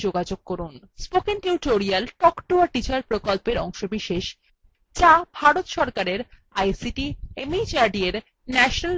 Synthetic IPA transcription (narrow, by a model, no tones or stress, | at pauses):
d͡ʑoɡad͡ʑoɡ̚kɔɾun | spokenʈiʈoɾialʈɔkʈoaɾʈit͡ɕaɾpɾokolpeɾɔŋʃobiʃeʃ | t͡ɕabʱaɾot̪ʃɔɾkaɾeɾ | ajsiʈiemid͡ʑaɾɖieɾ | nɛʃonal